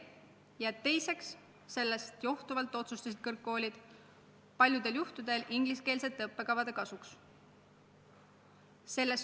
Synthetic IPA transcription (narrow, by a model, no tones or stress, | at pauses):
jɑt̪e̞jse̞ksː | e̞lːe̞st̪jo̞ht̪uvɑlt̪ːˑo̞t̪sust̪ɑsid̪̥kɤrkːo̞ːlʲid̪̥ | pɑlʲjud̪̥e̞ljuht̪ud̪̥e̞lʔiŋɡ̥liske̞ːlse̞t̪ˑːɤpːe̞kɑvɑd̪e̞kɑsuks | se̞lːe̞s